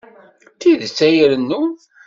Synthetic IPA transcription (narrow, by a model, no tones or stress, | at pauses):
θiðt͡sːæjəɾənːu